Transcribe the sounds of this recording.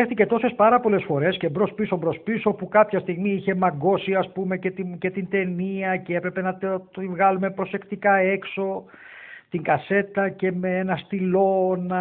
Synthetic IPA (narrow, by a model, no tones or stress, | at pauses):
exθice̞t̪o̞se̞spɐɾɐpo̞le̞sfo̞ɾe̞scebɾo̞spiso̞bɾo̞spiso̞pukɐpçɐst̪iɣmiiçe̞mɐɡo̞siɐspume̞cet̪ice̞t̪int̪e̞niɐcee̞pɾe̞penɐt̪ivɣɐlume̞pɾo̞se̞kt̪ikɐe̞kso̞ | t̪iŋkɐse̞t̪ɐce̞meenɐst̪ilo̞nɐ